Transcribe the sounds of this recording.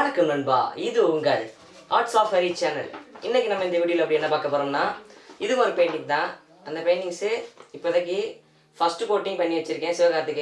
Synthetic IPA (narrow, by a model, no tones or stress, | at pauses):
ɾɯkːɯmnɐnba̰ːɪðɯʊŋɡɐɭ | aːɾʈsaːfɐɾit͡ʃɛːnɐ̰lɪnːɛkʲːinɐmːɐɪnd̪ɐɛʋɪɽɪjɪlɐpːɐɽiɛnːɐpaːɾkɐpːoːɾoːmnaːɪðɯkːɔɾɯpɐjɳɖɪŋ̚t̪ãː | ɐnd̪ɐpɐjnɪŋsɯɪpːoːɪðɐkːɯ | fɐsʈɯpoːʈːɪ̃ŋpɐɳːiʋɐt͡ʃːɪɾɯkːẽːsɪʋɐkaːɾɐt̪ːɯkːɯ